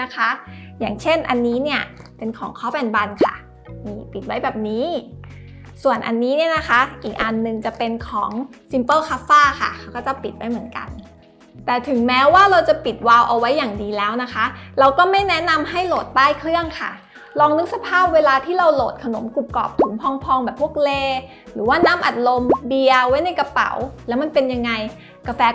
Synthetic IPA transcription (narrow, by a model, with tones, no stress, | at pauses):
na˦˥kʰa˦˥ja̰ː˨˩ŋt͡ɕʰe˥˩nʔa˧nːiː˦˥ni˥˩ɐpe˧nkʰɔː˩˦ŋkʰɔː˦˥pɛ˨˩nba˧nkʰa̰˥˩ | niː˧˥˩pi˨˩t̪̚wa˦˥jbɛː˨˩p̚niː˦˥ | su˨˩ənʔa̰˧nːiː˦˥ni˥˩əna˦˥xʰa˦˥ʔiː˨˩k̚ʔa˧nːɯ˨˧ŋt͡ɕa˨˩pe˧nkʰɔː˩˦ŋ | si˧mpɤː˥˩kʰaː˦˥faː˥˩kʰa̰˥˩kʰa˦˥wkɔː˥˩t͡ɕa˨˩pi˨˩t̪̚wa˦˥jmɯ˩˦ənka̰˧n | t̪ɛː˨˩t̪ʰɯ˨˩˦ŋmɛː˦˥waː˥˩ɾa˧wt͡ɕa˨˩pi˨˩t̪̚waː˧wʔa˧wa˦˥jːaː˨˩ŋdiː˧lɛː˦˥wna˦˥kʰa˦˥ʔɾa˧wkɔː˥˩ma˥˩jnɛ˦˥na˧mɦa˥˩jloː˨˩t̪̚daː˥˩jkʰɾɯ˥˩əŋkʰa̰˥˩ | ɾɔː˧ŋnɯ˦˥k̚sa˧pʰaː˥˩p̚weː˧laː˧t̪ʰiː˥˩ɾa˧wloː˨˩t̪̚kʰa˧no˨˩˦mku˨˩p̚kɔ̰ː˨˩p̚t̪ʰu˩˦mpʰɔː˧ŋpʰɔː˧ŋbɛː˨˩pʰːu˥˩ək̚leː˧ | ɾɯː˩˦waː˥˩naː˦˥mʔa˨˩t̪̚lo˧mbi˧əwa˦˥jna˧jka˧pa̰˨˩˦wlɛ˦˥wma˧npe˧nja˧ŋːa˧j | ka˧fɛː˧